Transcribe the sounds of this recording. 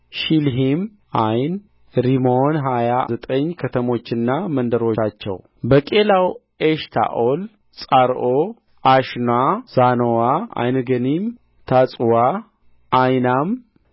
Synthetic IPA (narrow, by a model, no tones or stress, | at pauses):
ʃilɦim | ajn | ɾimonɦajazət̪ʼəɲːkʰət̪ʰəmo̞t͡ʃːɪnːamənd̪əɾoat͡ʃːɛ̰w | bəkʼelaw | eʃt̪ʰa̰ʔol | sʼaɾʔo | ʔaʃnaz̥anowaa̰jnɡənim | t̪ʰat͡sʼwa | ʔːjnam